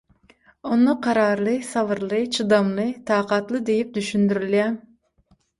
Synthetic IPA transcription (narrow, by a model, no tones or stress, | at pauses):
unɨqʰɑɾɑɾlˠɨsɑvɨɾlˠɨt͡ʃʰɨd̪ɑmlˠɨt̪ʰɑːqɑt̪lˠɨd̪ejip̚d̪yʃynd̪yɾylɛ